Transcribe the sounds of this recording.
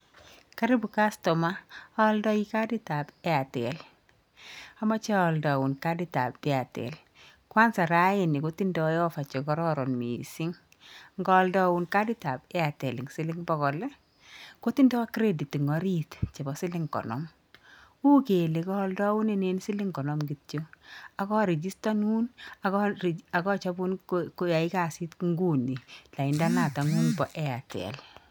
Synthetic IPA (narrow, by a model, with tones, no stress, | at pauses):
ka˦ɾɪ˦bu˨ka˦stɔ˨ma˦a˦ldɔ˦i˦ka˦di˦ta˨pɛ˦a˨tɛ˨l | a˦ma˦t͡ʃɛ˦ɔ˨ldɔ˨wu˨nka˦di˦ta̰˨pːɪ˦a˨tɛ̰˨l | kwa˦nsa˨ɾa˦ɪ˨ni˨ko˦ti˦ndɔ˨˦jɔ˦fa˨t͡ʃɔ˨kɔ˦ɾɔ˦ɾɔ˨nmḭ˨si˦ŋ | ŋɡɔ˦ldɔ˦wu˨nka˦di˦ta˨bɛ˦a˨tɛ˨lɪ˨ŋsɪ˦lɪ˦ŋbɔ˦kɔ˨lɛ˦ | ko˦ti˦ndɔ˦wa˦kɾe˦di˨ti˨ŋɔ˨ɾi˦tt͡ʃe˨bɔ˨˦sɪ˦lɪ˦ŋkɔ̰˨nɔ̰˦m | u˦ke˨le˨kɔ˦ldɔ˦wu˦ne˦ne˦nsi˦li˦ŋkɔ˨nɔ˦mɡi˨tt͡ʃo˦a˨kɔ˦ɾe˨d͡ʒi˦sta˦nu˦na˨kɔ˦˨a˨kɔ˦t͡ʃa˦bu˦nko˦ja˨i˦ka˨si˦tŋɡu˦ni˨la˨i˨nda˦na˨ta˨ŋu˦nbɔ˨ʔɛa˨tɛ̰˨l